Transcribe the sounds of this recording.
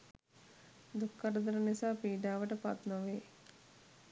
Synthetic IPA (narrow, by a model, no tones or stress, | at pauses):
d̪ukːaɾɐd̪ɐɾɐnisaːpiːɖaːʋəʈəpa̰t̪noʋeː